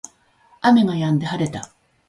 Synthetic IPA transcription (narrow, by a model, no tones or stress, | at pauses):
ame̞ŋajãnd̪e̞haɾe̞t̪a